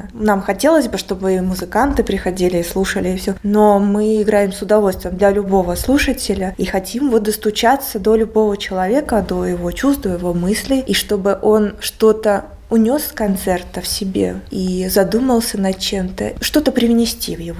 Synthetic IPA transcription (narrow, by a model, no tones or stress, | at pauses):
namxɐtʲe̞lˠəsʲbɨʂt̪o̞bɨmʊzɨkant̪ɨpɾʲɪxɐdʲilʲɪːslˠuʂəlʲɪːfsʲonomɨɪɡɾajɪmsʊd̪ɐvo̞lʲst̪vʲɪjɪmd̪lʲɐlʲʊbo̞vəslˠuʂətʲɪlʲəixɐtʲimvot̪̚d̪əst̪ʊt͡ɕat̪səd̪o̞lʲʊbo̞vət͡ɕɪlˠɐvʲe̞kəd̪o̞jɪvo̞t͡ɕust̪d̪d̪ojɪvo̞mɨsʲlʲɪjiʂt̪o̞bɨʔo̞nʂt̪o̞t̪ə | ʊnʲo̞skɐnt̪sɛrt̪əfsʲɪbʲe̞̰izɐd̪uməlˠsʲənɐt͡ɕe̞mt̪ə̰ʂt̪o̞t̪əpɾʲɪvnʲɪsʲtʲivjɪvo